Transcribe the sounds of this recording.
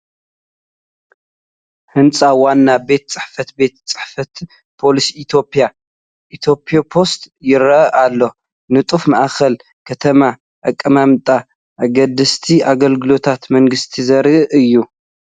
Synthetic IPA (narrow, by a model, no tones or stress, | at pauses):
hɨnt͡sʼawanːabe̞t̪̚t͡sʼɨħfɐt̪be̞t̪t͡sʼɨ̥ħfɐt̪ | pʰo̞lisiit̪ʰjo̞pʰʼːja | ʔit̪ʰjo̞pʰʼiopʰo̞st̪jɪɾɐʔalːo̞ | nɨt̪ʼufmaʔxɐl | kʰɐt̪ʰɐma | ʔakʼːɐmamt̪ʼa | ʔaɡɐd̪ɨst̪ʰiʔaɡɐlɡɨlo̞t̪ʰat̪mɐŋɡɨst̪ʰizɐɾiʔɨjːu